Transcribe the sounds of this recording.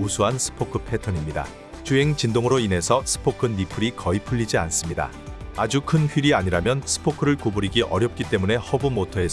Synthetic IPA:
usʰuɦansʰɯ̥pʰokʰɯpʰe̞tʰʌnimɲida̰ | t͡ɕuɦe̞ŋt͡ɕindoŋɯɾoine̞sʰʌsʰɯ̥pʰokʰɯnipʰɯɾikʌipʰuʎːid͡ʑians͈ɯmɲida̰ | ad͡ʑukʰɯnɸɥiɾiaɲiɾamjʌnsʰɯ̥pʰokʰɯɾɯɭkobuɾiɡiʔʌɾjʌp̚k͈it͈e̞mune̞hʌbumotʰʌe̞s

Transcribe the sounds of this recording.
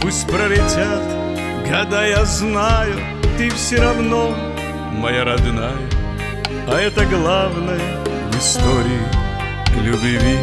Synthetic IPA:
pusʲtʲpɾəlʲɪtʲat̪ | ɡɐd̪ajaznajʊ | t̪ɨfsʲɪɾɐvno | mɐjaɾɐd̪najə | ɐɛt̪əɡlˠavnəjə | vɪst̪oɾʲɪɪ | lʲʊbvʲi

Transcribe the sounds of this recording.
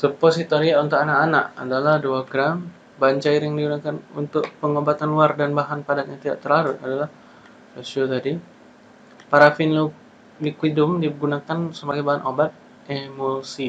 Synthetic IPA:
suposit̪oɾiaunt̪ʊkanakana̰ʔa̰dalahduaɡɾam | baɲt͡ʃaiɾjaŋdiɡunakanṵnt̪ʊk̚pəŋobat̪anwardanbaɦanpadat̪̚ɲat̪ida̰ʔt̪ərlaɾut̪adalah | osiot̪adi | paɾafɪnlu | likwidʊmdiɡunakansəbaɡajbaɦanʔobat̪̚ | emosi

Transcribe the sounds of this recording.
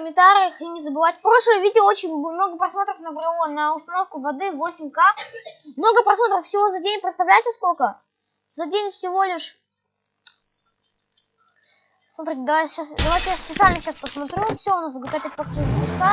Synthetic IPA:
kəmʲɪnt̪aɾʲɪəximʲɪzəbɨvatʲpɾo̞ʂlˠəjvʲidʲɪəo̞t͡ɕɪnʲmno̞ɡəpɾɐsmo̞t̪ɾəfnəbɾɪlˠonəʊst̪ɐno̞fkʊvɐd̪ɨvosʲɪmʲkamno̞ɡəpɾɐsmo̞t̪ɾəfsʲɪvo̞zɐdʲenʲpɾʲɪt̪st̪ɐvlʲæjt̪səskokə | zɐdʲenʲfsʲɪvo̞lʲɪʂ | smɐt̪ɾʲitʲɪd̪ɐvajɕasd̪ɐvajtʲɪjaspʲɪt̪sɨalʲnəɕaspəsmɐt̪ɾʲufsʲonazɡɐt̪apʲɪt̪̚ʲpɐkʐuzpʊsʲka

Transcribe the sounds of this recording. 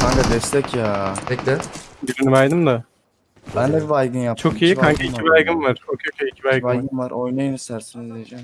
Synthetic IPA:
aŋɡad̪ɛst̪ʰɛcjaːpʰɛcd̪ɛbiɾinivajd̪ɯmd̪a | bænd̪ɛbivajɡɯnjap̚t͡ʃʰokʰijaaŋkʰiiivajɡɯnvaɾ̥t͡ʃʰokʰjocʰaicʰibajɡɯvajɡɯnvaɾʔojnajɯnɯsæɾsinazlejed͡ʒɛm

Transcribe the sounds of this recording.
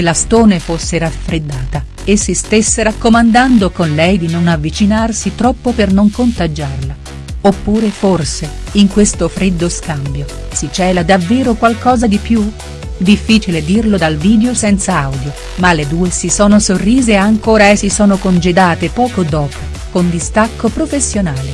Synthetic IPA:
elːast̪oːnefosːeɾafɾed̪ːaːt̪a | esːist̪esːeɾakːomand̪and̪okonlɛjd̪inonavːit͡ʃinarsit̪ɾɔpːopernoŋkont̪ad͡ʒarla | opːuːɾeforse | iŋkwest̪ofɾed̪ːoskambjo | sit͡ʃɛːlad̪avːeːɾokwalkɔːzad̪ipju | d̪ifːiːt͡ʃiled̪irlod̪alviːd̪eosɛnt̪saawd̪jo | malːed̪uːesisoːnosorːiːzeaŋkoːɾaesːisɔːnokond͡ʒed̪aːt̪epɔːkod̪ɔːpʰo | kond̪ist̪akːopɾofesːjonaːle

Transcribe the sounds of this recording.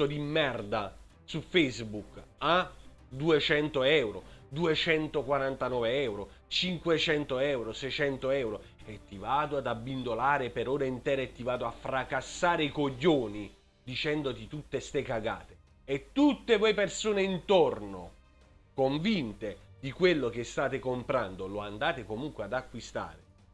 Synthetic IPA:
od̪imːɛrd̪a | sufɛzbuka | d̪uet͡ʃɛnt̪oɛwɾo̰d̪uet͡ʃɛnt̪okwaɾant̪anɔːveɛwɾo | t͡ʃiŋkwet͡ʃɛnt̪oɛwɾosɛjt͡ʃɛnt̪oɛwɾo | ɛt̪ːivaːd̪oad̪abːind̪olaːɾepeɾoːɾaint̪ɛːɾɛt̪ːivaːd̪oafːɾakasːaːɾeikoɟːoːni | d̪it͡ʃɛnd̪ot̪it̪ut̪ːest̪ekaɡa̰ːt̪e̥ | ɛt̪ːut̪ːekwejpersoːneint̪orno̰ | koɱvint̪ed̪ikwelːok̟est̪aːt̪ekompɾand̪oloand̪aːt̪ekomuŋkwead̪akːwist̪a̰ːɾe

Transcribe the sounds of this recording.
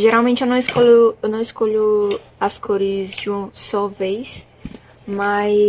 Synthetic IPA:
ʒeɾawmẽnt͡ʃɪewnɐ̃w̃ɪskolʊewnɐ̃w̃ɪskoʎʊɐskʰoɾɪzd͡ʒɪũsɔvejs | ma

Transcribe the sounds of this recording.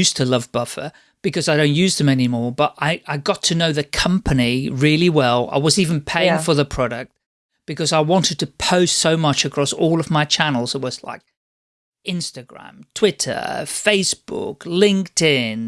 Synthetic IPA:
jʉstʰəlʌvbʌfə̰ | b̥ɨkʌzaɪɾõʊ̃nʔjʉzðɨ̃mɛnimɔɹbʌɾʔaɪaɪɡɑtʰɨnoʊðɨkʰʌ̃mpʰɨniɹɪlˠiwɛlˠa̰ɪwʌzivɨ̃n̩pʰeɪɪ̃ŋfə˞ðəpʰɹ̥ɑɾɨk̚t̚ | b̥ɨkʌzaɪwɑ̃ntɨd̚tʰɨpʰoʊstsoʊmʌt͡ʃɨkʰɹ̥ɔsɔlˠʌvmaɪt͡ʃʰænl̩ˠz̥ət̚wʌzla̰ɪk̚ | ɪ̃nstɨɡɹæ̰̃mtʰw̥ɪɾʰə̰˞feɪsb̥ʊ̰klɪ̃ŋk̚tɪ̃n

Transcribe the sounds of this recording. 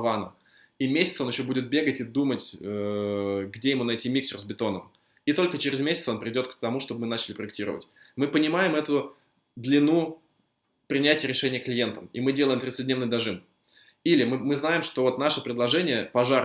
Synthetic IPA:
vanə̰ | imʲesʲɪt̪so̞njɪɕːobudʲɪt̪̚bʲe̞ɡətʲid̪umətʲə | ɡdʲejɪmunɐtʲimʲiksʲɪrzbʲɪt̪o̞nəm | it̪o̞lʲkət͡ɕɪɾʲɪzmʲesʲɪt̪səo̞npɾʲɪvʲɪdʲo̞t̪̚kt̪ɐmuʂt̪o̞bəmɨnat͡ɕɪlʲɪpɾəɪk̚tʲiɾə̰və̰tʲ | mɨpənʲɪmajɪmɛt̪ʊ | d̪lʲɪnu | pɾʲɪnʲætʲɪjəɾʲɪʂɛnʲɪjəklʲɪje̞nt̪əmḭmɨdʲelˠəjɪmt̪ɾʲɪt̪sədʲnʲenɨjd̪ɐʐɨn | ilʲɪmɨmɨznajɪmʂt̪o̞vo̞t̪naʂəpɾʲɪd̪lˠɐʐɛnʲɪjəpɐʐar

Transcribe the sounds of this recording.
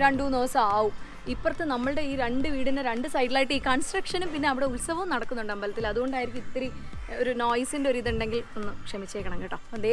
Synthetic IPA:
ɾɐɳɖuːnoːsɐaːʋu | ipːort̪ːenɐmːɐɭɨɽe̞iːɾe̞ɳɖɨʋiːɽineɾe̞ɳɖɨsɐjʈ̬ːilaːjiʈːɨiːkɐɳsʈrɐkʂɐnumpinːe̞ɐʋiɽe̞ulsɐɦɐmnɐɽɐkːunːuɳɖaːmbɐlɐt̪ːilɐðuɣo̞ɳɖaːjiɾikʲumit̪ːɐɾioɾuno̞ːjisinde̞oɾuiðuɳɖe̞ŋɡilonːɨkʂɐmit͡ɕːeːkːɐɳɐŋɡɐːʈːɐːɐd̪e

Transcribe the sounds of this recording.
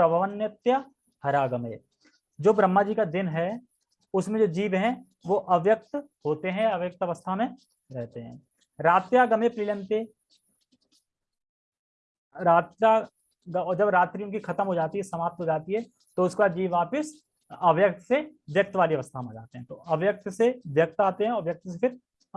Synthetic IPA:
pɾɐbəʋənjət̪jə | hɐɾaːɡəmeː | d͡ʒoːbɾəmːad͡ʒiːkad̪ɪnɦɛ | ʊsmẽd͡ʒoːd͡ʒiːʋɦɛ̃ | ʋoʔɐʋjək̚t̪ɦoːt̪eɦɛ̃ɐʋjək̚t̪ɐʋəst̪ʰamẽ | ɾɛɦt̪eɦɛ̃ː | ɾaːt̪jaɡɐmepɾɪlə̃nt̪e | ɾaːt̪a | ɡːd͡ʒɐbɾaːt̪ɾijõkixʰɐt̪əmɦod͡ʒaːt̪iɦɛsɐmaːp̚t̪ɦod͡ʒaːt̪iɦɛ | t̪oʊskeaːd̪d͡ʒiːʋʋaːpəs | ɐʋjək̚t̪ʰseʋjɐk̚t̪ʋaːliɐʋəst̪ʰamẽd͡ʒa̰ːt̪eɦɛ̃t̪oʔɐʋjək̚t̪seʋjɐk̚t̪aːt̪eɦɛ̃ɔːɾʋjɐk̚t̪sefʰɪɾ

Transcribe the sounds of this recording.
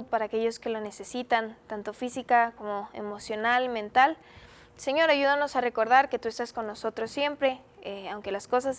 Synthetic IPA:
ðpaɾaːke̞ʝo̞ske̞lo̞ne̞se̞sit̪ant̪ant̪o̞fisikako̞mo̞ḛmo̞sjo̞nalmẽnt̪al | se̞ɲo̞ɾaʝuðano̞sare̞ko̞ɾð̞aɾket̪ue̞st̪asko̞nːo̞so̞t̪ɾo̞sːje̞mpɾe̞ | eawŋke̞lasko̞sas

